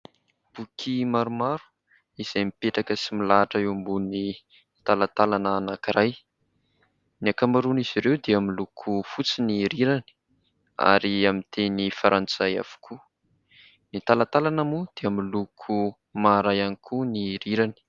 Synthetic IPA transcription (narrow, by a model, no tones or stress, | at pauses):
b̥ukʰimaɾumaɾu̥ | iz̥ajmipeʈ͡ʂakəsimilaʈ͡ʂəeumbuni | t̪alat̪alanaːnakiɾaj | niakamaɾuniz̥iɾewd̪eamilukʰufut͡siniɾiɾani̥ | a̰ɾiamint̪ʰenifaɾʔant͡saja̰v̥u̥kʰu | nit̪alat̪alanamud̪̥eamilukʰu | maɾajanikʰuniɾiɾani̥